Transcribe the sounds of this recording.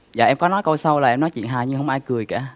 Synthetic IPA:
za̰ː˨ʔɛ˧mkɔ˨˦nɔ˨˦jkə˧wsa˧wlaː˨˩ʔɛ˧mnɔ˨˦jt͡ɕwḭ˧˨ənɦaː˨˩jɲɨ˧ŋhə˧wŋ͡mʔaː˧jkɨ˨˩əjka̰ː˧˥˨

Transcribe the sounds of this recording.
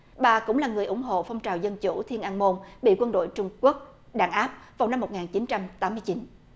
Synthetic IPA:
ɓaː˨˩kʊ̰˧˥ŋ͡mlaː˨˩ŋɨ˨˩əjʔʊ̰˧˩˦ŋ͡mɦo̰˧˨fɔ˧wŋ͡mt͡ɕaː˨˩wzə˧nt͡ɕu˧˩t̪ʰi˧ənʔaː˧nmo˧nɓḭ˧˨kwə˧nɗo̰˧˨jt͡ɕʊ˧ŋ͡mku˦˥ək̚ | ɗaː˧˨˩nʔaː˦˥p̚va˨˩wna˧mːo˨˩t̚ŋaː˨˩nt͡ɕi˨˦nt͡ɕa˧mt̪aː˨˦mːɨ˧əjt͡ɕi˨˦n

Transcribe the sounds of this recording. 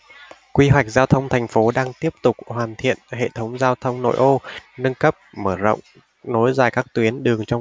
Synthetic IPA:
kwi˧ɦwa˨˩jk̟̚zaː˧wt̪ʰə˧wŋ͡mt̪ʰɛ˨˩jŋ̟fo˨˦ɗaː˧ŋt̪i˦˥əp̚t̪ʊ˨˩k͡p̚hwaː˨˩nt̪ʰḭ˧˨ənhḛ˧˨t̪ʰə˨˦wŋ͡mzaː˧wt̪ʰə˧wŋ͡mno̰˧˨jʔo˧nə˧nkə˦˥p̚məː˧˩zə̰˧˨wŋ͡m | no˨˦jzaː˨˩jkaː˦˥k̚t̪wi˨˦ənɗɨ˨˩əŋt͡ɕɔ˧

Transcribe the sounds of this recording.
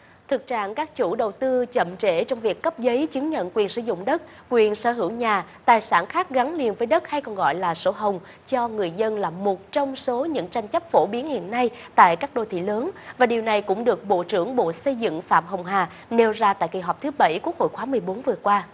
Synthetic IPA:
t̪ʰɨ˨˩k̚t͡ɕa̰ː˧˨nkaː˦˥k̚t͡ɕu˧˩ɗə˨˩wt̪ɨ˧t͡ɕə̰˧˨mt͡ɕḛ˧˩t͡ɕɔ˧wŋ͡mvi˨˩əkːə˦˥p̚zə˨˦jt͡ɕɨ˨˦ŋɲə̰˧˨nkwi˨˩ənsɨ̰˧zʊ̰˧˨ŋ͡mɗə˦˥t̚ | kwi˨˩ənsəː˧˩ɦɨ˧˩əwɲaː˨˩t̪aː˨˩jsa̰ː˧˩nxaː˦˥k̚ɣa˨˦ŋli˧ənvəː˨˦jɗə˦˥t̚ha˧jkɔ˨˩nɣɔ̰˧˨jlaː˨˩so˨˦ɦə˨˩wŋ͡m | t͡ɕɔ˧ŋɨ˨˩əjzə˧nlaː˨˩mo˨˩t̚t͡ɕɔ˧wŋ͡mso˨˦ɲɨ̰˧˥ŋt͡ɕa˧jŋ̟t͡ɕə˦˥p̚fo˧˩ɓi˨˦ənhḭ˧˨ənːa˧jt̪a̰ː˧˨jkaː˦˥k̚ɗo̰˧˩t̪ʰḭ˧˨ləː˨˦nvaː˨˩ɗi˨˩əwna˨˩jkʊ̰˧˥ŋ͡mɗɨ˨˩ək̚ɓo̰˧˨t͡ɕɨ˧˩əŋɓo̰˧˨sə˧jzɨ̰˧˨ŋfa̰ː˧˨mɦə˨˩wŋ͡mɦaː˨˩ | ne˧wzaː˧t̪a̰ː˧˨jki˨˩ɦɔ˨˩k͡p̚t̪ʰɨ˨˦ɓə˧˩jku˦˥ək̚ho̰˧˨jxwaː˨˦mɨ˨˩əjɓo˨˦nvɨ˨˩əkwaː˧

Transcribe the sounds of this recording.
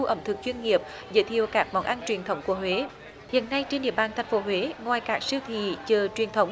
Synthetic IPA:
ʔə˧˩mt̪ʰɨ˨˩k̚t͡ɕwi˧ənŋi˨˩əp̚ | zə̰ː˧˥jt̪ʰḭ˨əwkaː˦˥k̚ma˨˦wŋ͡mʔa˧nt͡ɕwi˨˩ənt̪ʰə˨˦wŋ͡mku˧˩əɦwe˨˦ | hḭ˧˨ənːa˧jt͡ɕe˧nɗḭ˧˨əɓaː˧˩nt̪ʰa˨˩jŋ̟fo˨˦ɦwe˨˦ŋwaː˨˩jkaː˦˥k̚sɨ˧wt̪ʰḭ˧˨t͡ɕəː˨˩t͡ɕwi˨˩ənt̪ʰə˨˦wŋ͡m

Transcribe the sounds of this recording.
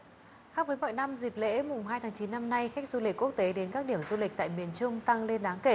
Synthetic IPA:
xaː˦˥p̚və˨˦jmɔ̰˧˨jna˧mzi˨˩p̚lḛ˧˥mʊ˨˩ŋ͡mhaː˧jt̪ʰaː˨˦ŋt͡ɕi˨˦nːa˧mna˧jxa˦˥jk̟̚zu˧lï˨˩k̟kːu˦˥ək̚t̪e˨˦ɗe˨˦nkaː˦˥k̚ɗi˧˩əmzu˧lï˨˩k̚t̪ːjmi˨˩ənt͡ɕʊ˧ŋ͡mt̪a˧ŋle˧nɗaː˨˦ŋke˧˩

